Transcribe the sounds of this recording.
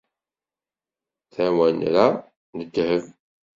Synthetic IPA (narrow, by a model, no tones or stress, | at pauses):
θæwænɾæ | nəd̪ːhəv